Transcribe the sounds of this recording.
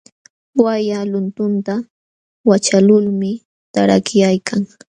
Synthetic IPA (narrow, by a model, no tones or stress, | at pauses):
wajalʊnt̪ʊnt̪a | wat͡ʃalʊlmɪ | t̪aɾa̰kɪjajkʰaŋ